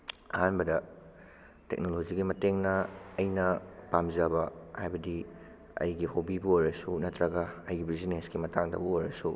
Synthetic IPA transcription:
ɐ̰hanbɐdɐ | tḛk̚nolod͡ʒiɡimɐteŋnɐːjnɐpamzɐbɐhajbɐdi | ɐ̰jɡihobibɐojɾɐsunɐtːɾɐɡɐɐjɡibizineskimɐtaŋdɐ̰bɐojɾɐ̰su

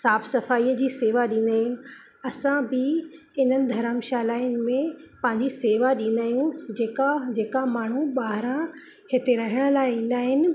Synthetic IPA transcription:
saːfsɐfaːiːəd͡ʑiːseːʋaɗĩːn̆d̪aːɦɪnɪ̆ | ɐsãbɪ | ɪn̤ənɪ̆d̪ʱɐɾəmʃaːlaːɪjnɪ̆mẽpɐ̃ɦɪ̃ɲd͡ʑiseːʋaɗĩːn̆d̪aːijũd͡ʑeːkad͡ʑeːkamaːɳ̤uɓaːɦɾã | hɪt̪eɾɐɦɪɽ̃əlaːɪĩːn̆d̪aːɦɪnɪ̆

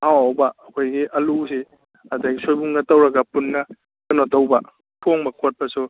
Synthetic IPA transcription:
hawawbɐːkʰojɡiʔɐlusi | ɐdaɡisʰojbuŋɡɐtɐwɾɐɡɐpunːɐ | kɐnɔdɐwbɐ | pʰoŋbɐkʰot̚pɐsu

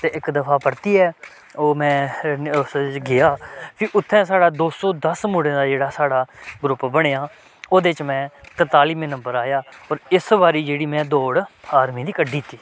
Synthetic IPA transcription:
t̪eːʔɪkd̪əpʰaːpəɾt̪iːɛː | oːmɛ̃ːsɡɪaːpʰɪʔʊt̪ʰːɛ̃ːs̬aːɽaːd̪oːsɔːd̪əsmʊɽẽːd̪aːd͡ʒeːɽaːsaːɽaːɡɾʊpbəɽ̃eːaː | oːd̪eːt͡ʃmɛ̃ːt̪ət̪aːliːmẽːnə̃mbəɾaːjaːɔːɾɪsbaːɾiːd͡ʒeːɽiːmɛ̃ːd̪oːɽaːɾmĩːd̪iːkəɖiːt̪ːiː

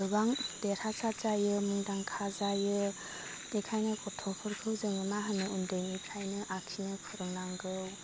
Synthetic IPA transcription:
dɯbaŋd̥eɾat͡ʃazajɯmuŋdaŋkʰazajɯ | nikʰajnɯkʰɔtʰɔpʰɯɾkʰɯwzɯŋɯmaɦɯnɯundɯjnikʰajnɯʔakʰinɯkʰɔɾɯŋnaŋɡɯw

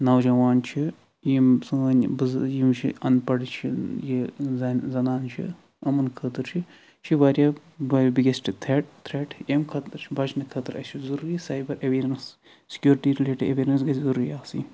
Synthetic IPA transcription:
nɐwd͡ʒɐʋaːnt͡ʃʰi | jimsɨnbɨzjimt͡ʃʰḭɐnpɐɽt͡ʃʰijizzɐnaːnt͡ʃʰḭ | ɐmɐnkʰət̪ɨɾt͡ʃʰi | t͡ʃʰiʋaɾʲjaː | ʋɐbiɡʲesʈʰʲit̪ʰɾeʈ̚t̪ʰɾeːʈemkʰɐt̪ɨɾt͡ʃʰibɐt͡ʃnɨkʰɐt̪ɨɾɐ̰t͡ʃʰizuɾuːɾisaːjbɐɾʔeʋiːɾɐns | si̥kʲjuːɾʈiɾileːʈieʋeːɾɐns̬ɡɐt͡ʃʰʲzuɾuːɾiaːsḭː

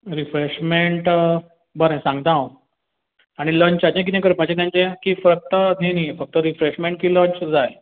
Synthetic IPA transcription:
ɾifɾeɕmeɳʈ | bəɾẽsãŋɡt̪ãw | aɽ̃iləɲt͡ɕat͡ɕẽk̬it̪ẽk̬əɾpat͡ɕẽkãɲt͡ɕẽkiːfɾək̚t̪əd̪ʱenifək̚t̪əɾifɾeɕmeɳʈ̚kiːləɲt͡ɕd͡zaj

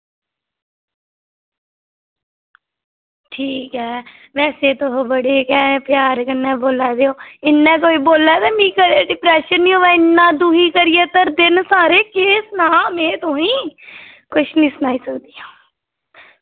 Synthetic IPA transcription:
ʈʰiːkɦɛː | ʋɛːseːt̪oɦoːbəɽeːkɛːpjaːɾkənːɛ̃ːboːlɛːd̪eːoːɪnːɛ̃ːkoːiːboːlːɛːd̪eːmĩːkəɖɪpɾɛːʃənːĩːoːʋɛːɪnːãːd̪uːɦiːkəɾɪjeːt̪əɾd̪ɪnsaːɾeːkeːsnaːmɛ̃ːt̪õːĩː | kʊʃnĩːsʊnaːiːsəkd̪iːaː

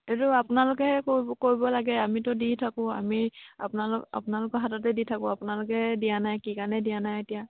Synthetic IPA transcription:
etʊapʊnalʊkɛhɛkokoɹibɔlaɡɛamitʊditʰakʊ̃a̰mia̰pʊnala̰pʊnalʊkɔɦatatɛditʰakʊ̃apunalʊkɛdijanajkikanɛdijanajetija

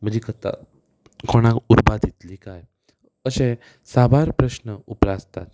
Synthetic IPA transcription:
m̤əd͡ʑiːkət̪a̰ | kʰoɽ̃ãkuɾbad̪ʱit̪likaj | əɕẽ | sabʱaɾpɾəɕnəupɾast̪a̰t̪

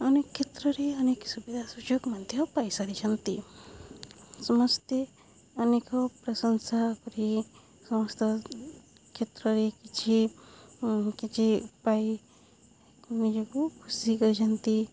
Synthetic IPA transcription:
ɐnekʰːet̪ɾɔɾiɐneksubid̪ʱasud͡ʒokmɐnd̪ʱjɔpajsaɾit͡ʃʰɐnt̪i | sɔmʌst̪e | ɐnekɔpɾɐsənsakɔɾi | sɔmɐst̪ɔ | kʰet̪ɾɔɾikit͡ʃʰi | kit͡ʃʰiupai | mid͡ʒɔkukʰusikɔɾit͡ʃʰɐnt̪i

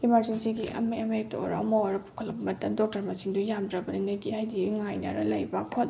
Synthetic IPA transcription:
imaɾzensiɡiʔɐ̰meɐmek̚to̰ɾɐmoɾɐpu̥kʰɐlɐbɐmɐtɐmdok̚tɐɾmɐsiŋdujamdɾɐbɐninojɡihajdiŋajnɐ̰ɾɐ̰lɐ̰jbakʰot

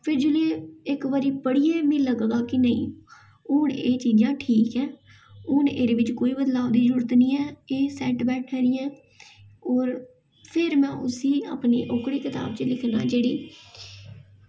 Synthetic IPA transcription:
pʰɪɾd͡ʒʊleːɪkʋəɾiːpəɽiːeːmĩːləɡɡaːkɪnəḭ̃ː | ʊɳeːt͡ʃiːd͡ʒãːʈʰiːkɛː | ʊnḛːɾeːʋɪt͡ʃkoːiːbəd̪laːʋd̪iːzəɾuːɾət̪nĩːɛːeːsɛːʈbɛːʈʰɛːɾɪːɛ̃ː | ɔːɾ | pʰɪɾmɛ̃ːʔʊsiːa̰ːpnḭːʔoːkɽiːkɪt̪a̰ːb̚t͡ʃəlɪkʰna̰ːd͡ʒeːɽiː

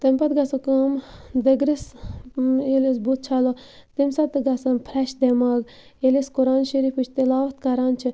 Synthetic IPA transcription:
t̪ɐmʲpɐt̪ɡɐsɐkɐmd̪ɐɡɾis | elis̬but̪̚t͡ʃʰalo | t̪imsɐt̪ɨɡɐsɐmpʰɾɛʃd̪emaːɡ | eliskʊɾaːnʃɐɾiːfɨt͡ʃʰt̪ilaːʋɐt̪kɐɾaːnt͡ʃʰi

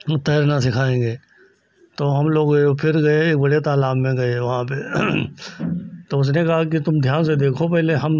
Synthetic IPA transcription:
t̪ɐːɾnasɪkʰaːẽːɡeː | t̪oːɦɐmloːɡopʰɪɾɡɐeeːk̚bɐɽet̪aːlaːmmẽɡɐeʋɐɦãpe | t̪oʊs̬nekɐɦak̬it̪ʊmd̪ʱjaːnsed̪eːkʰopɛɦleɦɐm

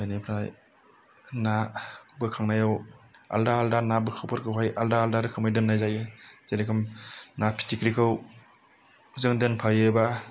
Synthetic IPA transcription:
ajnepʰɾaj | nabɯkʰaŋnajawa̰ldaːldanabɯkʰɯwpʰɯɾkʰɯwɦajaldaːldaɾɯkʰɯmɯjdɯnnajzajɯzeɾikʰɯmnapʰi̥tikɾikʰɯw | zɯŋdɯnpʰajɯba

